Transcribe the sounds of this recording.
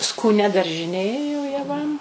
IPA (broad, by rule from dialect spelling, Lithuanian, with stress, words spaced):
skuːˈnʲɛ dɐrʲʒʲɪˈnʲeː joː jɛˈʋɐm